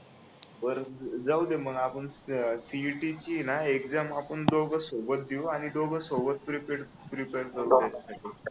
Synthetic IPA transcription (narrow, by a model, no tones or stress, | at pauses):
bəɾd͡zaud̪eməɡapəɳsiʈit͡ɕiːnaekd͡zamapəɳd̪oɡʱəsobət̪̚d̪iwaɽ̃id̪oɡʱəsobət̪̚pɾipeɾ | pɾipeɾkəɾud̪jat͡ɕasaʈi